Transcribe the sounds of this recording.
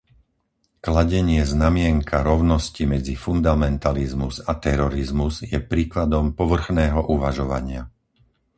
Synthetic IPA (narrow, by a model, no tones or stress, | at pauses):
klaɟɛɲɪɛznamɪɛŋkʰaɾɔʊnɔscimɛd͡zifund̪amɛnt̪alizmuzat̪ɛɾɔɾizmuzjɛpɾiːklad̪ɔmpɔʋr̩xnɛːɦɔʔuʋaʒɔʋa̰ɲɪa